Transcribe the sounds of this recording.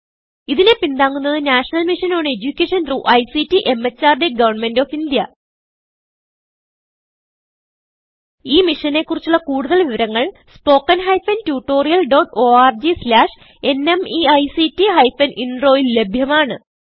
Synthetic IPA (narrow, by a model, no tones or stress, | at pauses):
iðine̞pind̪aːŋːunːɐðɨnaːʂɐnɐlmiʂɐnoːɳe̞d͡ʑukʲːeːʂɐntruʔɐjsitːiʔe̞mːet͡ɕːaːrde̞ɡɐʋɐnme̞ndoːfind̪jɐ | iːmiʂɐne̞kːurit͡ɕːuɭːɐkuːɽuðɐlʋiʋɐɾɐŋːɐɭspo̞ːkːɐnɦɐjfɐntjuːʈːo̞ːrijɐlɖoːʈoːaːrd͡ʑislaːʂ | e̞ne̞miɐjsitːiɦɐjfɐnʔinro̞ːjilːe̞bʱjɐmaːɳɨ